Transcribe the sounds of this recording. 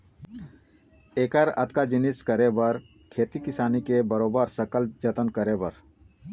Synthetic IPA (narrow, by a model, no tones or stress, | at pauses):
eːkəɾə̰t̪kad͡ʒiniskəɾebəɾ | kʰeːt̪ikisaːnikebəɾobəɾsəkəld͡ʒət̪ənkəɾebəɾ